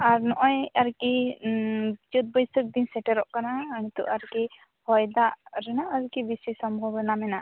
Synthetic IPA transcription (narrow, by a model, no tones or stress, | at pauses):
aɾnɔʔɔjaɾki | d͡ʒut̪̚bɔjsuk̚d̪insɛʈɛɾɔʔkanañit̪uʔaɾki | hɔjd̪aɾɛnaʔaɾkibisisɔmbʱɔbɛnamɛna